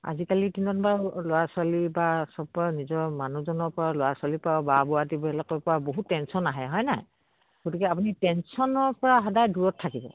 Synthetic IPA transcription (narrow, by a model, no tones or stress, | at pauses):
a̰zikalitinɔnbaɹloaswalibasɔpːɔnizɔɹmanuzɔnɔɹpɔɹalɔjaswalipababɔadibɔɛlakɔjpɔɹaboɦutːɛnsɔnaɦɛɦɔjnaj | ɡ̥otikɛapunitɛnsɔnɔɹpɔɹaɦɔdajduɹɔtʰːakibɔ̰